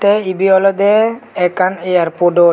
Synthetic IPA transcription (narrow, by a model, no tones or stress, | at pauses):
t̪ɛibiɔlɔd̪ɛːkanejaɾpoɖo